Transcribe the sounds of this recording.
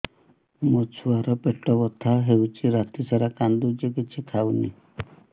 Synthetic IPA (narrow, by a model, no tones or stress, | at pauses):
mot͡ʃʰuaɾɔpeʈɔbɔt̪ʰaɦewt͡ʃʰiɾat̪isaɾakand̪ud͡ʒekit͡ʃʰikʰawnḭ